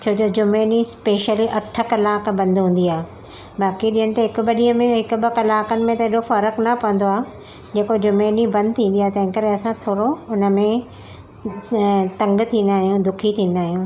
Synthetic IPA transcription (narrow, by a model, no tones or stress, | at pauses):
t͡ɕʰoːd͡ʑoːd͡ʑʊmeːnispeːʃəliʔɐʈʰə̆kɐlaːkʰbɐ̃nd̪ɦũːn̆d̪iaːe | baːkiɗĩːəñɪ̆t̪eɦɪkʊ̆ɓɐɗĩɦə̃mẽɦɪkʊɓɪkɐlaːkənɪ̆mẽt̪ɐɪɗofɐɾəknɐpɐʋə̃nd̪oaːɦ | d͡ʑeːkod͡ʑʊmeːnibɐ̃nd̪̚ʱt̪ʰĩːn̆d̪iaːɦet̪ɐ̃ɦɪ̃ŋkɐɾeɐsãt̪ʰoːɽoʊnə̆mẽ | t̪ɐ̃ŋɡt̪ʰĩːnd̪aːɦijũd̪ʊkʰit̪ʰĩːn̆d̪aːɦijũː